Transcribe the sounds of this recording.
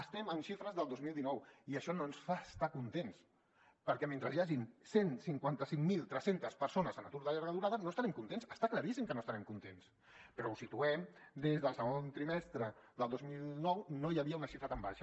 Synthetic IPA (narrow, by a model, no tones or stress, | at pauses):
əst̪ɛmənʃifɾəzðəlˠd̪ozmilˠd̪inɔwiəʃɔnoənsfaəst̪akunt̪ens | pəɾkɛment̪ɾəzjaʒinsensiŋkwant̪əsiŋmilˠt̪ɾɛsent̪əspəɾsonəzənat̪uɾðəʎaɾɣəðuɾaðənoəst̪aɾɛmkunt̪ensəst̪akləɾisimkənoəst̪aɾɛmkunt̪ens | pəɾɔusit̪uɛmd̪ezðəlˠsəɣont̪ɾimɛst̪ɾə | ðəlˠd̪ozmilˠnɔwnojəβiəunəʃifɾət̪amba̰ʃə